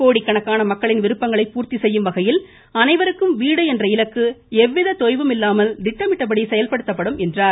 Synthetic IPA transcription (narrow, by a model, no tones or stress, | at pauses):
koːɽikːɐɳɐkːaːnɐmɐkːɐɭɪnʋɪɾɯpːɐŋɡɐɭɐɪpːuːɾt̪isɛjːɯmʋɐɣɐjɪl | ɐnɐɪʋɐɾɯkːɯmʋiːɽɐɛndrɐɪlɐkːɯɛʋːɪðɐt̪ɔjʋɯmɪlːaːmɐld̪ɪʈːɐmɪʈːɐp̬ːɐɽisɛjɐlpɐɽɯt̪ːɐpːɐɽɯmɛndraːɾ